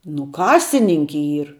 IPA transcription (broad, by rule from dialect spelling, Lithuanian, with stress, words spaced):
nʊ ˈkɑːsʲɪnʲɪŋʲkʲɪ ˈiːr